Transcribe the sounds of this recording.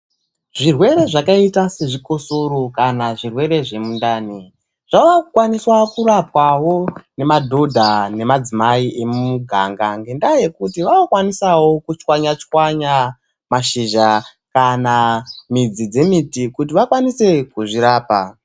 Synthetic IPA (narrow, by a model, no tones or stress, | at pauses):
ʐirwe̞ɾe̞ʐakaitase̞ʐiko̞so̞ɾokanaʐirwe̞ɾe̞ʐe̞mundaːni | ʐ̥aʋakukwaniswakuɾapwawo̞ne̞madʱo̞dʱane̞mad͡zimaiʔe̞mumuɡʱaŋɡaŋɡendaje̞kutiʋaokwanisawo̞kut͡ʃwaɲat͡ʃikwaɲa | maʃiʒa | kanamid͡zid͡ze̞mitikut̬iʋakwanise̞kuʐiɾaːpa